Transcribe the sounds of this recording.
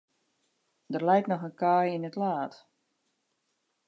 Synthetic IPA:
dərlɛjtnɔxənkaːjinətlaːt

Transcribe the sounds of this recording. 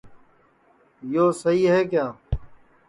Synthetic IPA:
joːsəɦiːɦɛːk̬jaː

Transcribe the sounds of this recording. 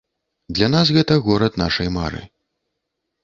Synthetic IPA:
d̪lʲɐnasɣɛt̪ɐɣɔɾɐt̪naʂɐjmaɾɨ̰

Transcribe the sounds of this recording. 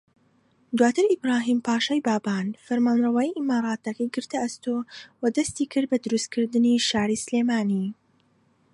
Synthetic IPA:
d̪waːt̪ʰɨɾibɾaːɦiːmpaːʃajbaːbaːnfɐɾmaːnrɐwaːjiʔimaːɾˤaːt̪ɐkɐjɡɨɾt̪ɐʔɐst̪oːwɐd̪ɐst̪iːkʰɨɾd̪̚bɐd̪ʊɾust̪̚kʰɨɾd̪ɨniʃaːɾisɨleːmaːniː

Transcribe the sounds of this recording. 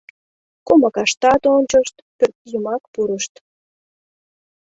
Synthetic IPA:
komɑkɑʃt̪ɑt̪onʲt͡ɕəʃt̪pørt̪̚jumɑkpuɾəʃt̪

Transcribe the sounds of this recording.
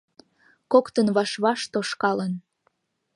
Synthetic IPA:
kokt̪ənβɑʃβɑʃt̪oʃkɑlən

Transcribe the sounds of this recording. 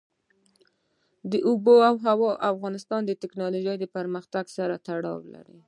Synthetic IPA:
d̪əʔʊboawɦawɑʔafɣɑnɪst̪ɑnd̪ət̪ɪknɑloʒajd̪əpəɾməxt̪aɡsaɾat̪aɽɑ̰wla̰ɾḭ

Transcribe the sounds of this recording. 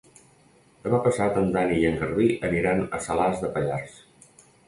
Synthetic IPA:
d̪̥əmapəsat̪ənd̪anijəŋɡəɾðiʔəniɾanə̰səlazðəpəʎars

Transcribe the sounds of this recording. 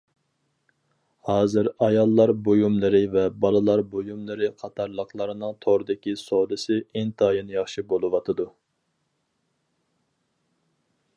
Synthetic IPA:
hɑːzɨɾɑjɑlˠːɑɾbojumlˠɨɾɪvɛbɑlˠɨlˠɑɾbojumlˠɨɾɨqʰɑt̪ʰɑɾlˠəqlˠəɾɨnɨŋt̪ʰoɾd̪ɪkʲisolɨsɪɪnt̪ʰɑːjɨnjɑχʃibolˠɨwɑt̪ʰɨd̪u

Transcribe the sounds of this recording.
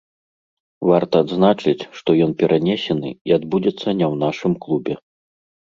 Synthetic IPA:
vart̪ɐːd̪znat͡ʂɨt͡sʲʂt̪ɔjɔnpʲɛɾʔanʲɛsʲɛnɨ̰iad̪bud͡zʲɛt̪sːɐnʲɛwnaʂɨmklˠubʲɛ

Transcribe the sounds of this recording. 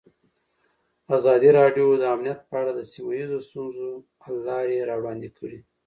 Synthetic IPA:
azɑd̪iɾɑɖjod̪əamnijat̪̚pəaɽad̪əsimajizost̪unzo | lːɑɾeɾɑwɽɑnd̪ikʰəɽi

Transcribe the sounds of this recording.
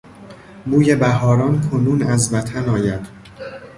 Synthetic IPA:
buːje̞bæɦɒːɾɒːnkʰonuːnæzvæt̪ʰænɒːjæd̪̥

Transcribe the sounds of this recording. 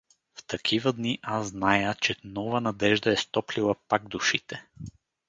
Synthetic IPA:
ft̪ɐkʰivɐd̪niʔazznajət͡ʃɛnɔvɐnɐd̪ɛʒd̪aɛst̪ɔplilˠɐpaɡ̚d̪uʃit̪ɛ

